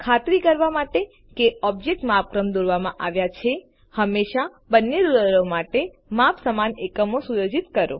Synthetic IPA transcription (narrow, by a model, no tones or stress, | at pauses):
kʰat̪ɾikəɾʋamaʈe | keɔb̚d͡ʒek̚ʈmap̚kɾəmd̪oɾʋamã̰ʔaʋjat͡ʃʰe | həmːeʃa | bənːeɾuəɾomaʈe | mapsəmanekəmosujod͡ʒit̪kəɾo̰